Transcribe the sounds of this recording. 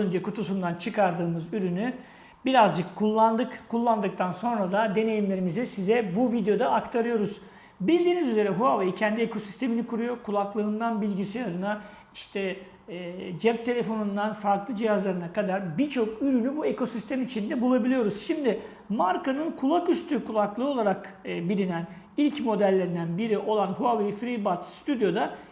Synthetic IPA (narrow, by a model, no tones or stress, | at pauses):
ønd͡ʒɛkʰut̪ʰus̬und̪ant͡ʃʰɯkaɾd̪ɯːmɯzyɾyny | biɾazd͡ʒɯkʰːulˠːand̪ɯkkʰːulˠːand̪ɯk̚t̪ʰanso̞nɾad̪ad̪e̞ne̞jimlʲe̞ɾimizɛsizɛbuvid̪ejo̞d̪aːkt̪ʰaɾɯjo̞ɾuz̥ | bilʲd̪iːnizyze̞ɾɛɦuavajicʰɛnd̪iekʰo̞si̥st̪ʰe̞minikʰuɾujo̞kʰulˠaklˠɯɯnd̪anbilʲɟisiaɾɯna | iʃt̪ʰɛ | d͡ʒɛp̚t̪ʰe̞lʲe̞fo̞nund̪anfaɾklˠɯd͡ʒijazlˠaɾɯnakad̪aɾbit͡ʃʰo̞kyɾynybue̞kʰo̞sist̪ʰɛmit͡ʃʰind̪ɛbulˠabilʲijo̞ɾuz̥ʃimd̪ɪ | maɾkanɯnkʰulˠakyst̪ʰykʰulˠaklˠɯːo̞lˠaɾakːbilʲinæn | ilʲcmo̞d̪ælʲːeɾind̪ænbiɾiʔo̞lˠanɦuavejfɾibat̪st̪ʰyd̪jo̞d̪a